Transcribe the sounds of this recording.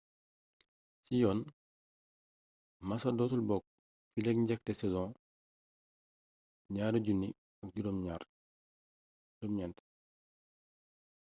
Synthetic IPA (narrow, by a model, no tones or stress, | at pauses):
sijɔːn | masɐdɔtulbɔk̚ | filɛkɲɟɛk̚tɛsɛzɔ̃ | ɲaːɾɐɟunːi | ɐk̚ɟuɾɔmɲaːɾ | dɔmɲɛnt